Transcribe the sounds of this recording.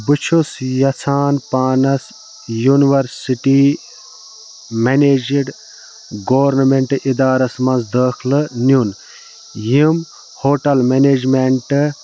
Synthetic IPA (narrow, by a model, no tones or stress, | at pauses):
bɨt͡ʃʰusjɐt͡sʰaːnpaːnɐs | juniʋɐɾsiʈi | meneːd͡ʒiɖ | ɡoʋɐɾnɐmeɳʈid̪aːɾɐsmɐ̃nzd̪əːkʰlɨnjun | jim | hoːʈɐlmeneːd͡ʒmeɳʈ